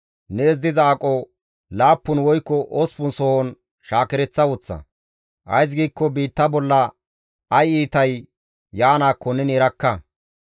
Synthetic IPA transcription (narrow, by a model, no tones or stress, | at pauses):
neːz̬d̪ɪzaːkʼɔ | laːpːʊnwɔjkːɔʔoɔspʊnsɔhɔn | ʃaːkɛɾɛt͡sːɐwʊt͡sːɐ̰ | ʔɐ̰js̬ɡiːkːɔbiːt̪ːɐbɔlːɐ | ɐjiːt̪ɐj | jːaːnaːkːɔnɛnɛɾɐkːɐ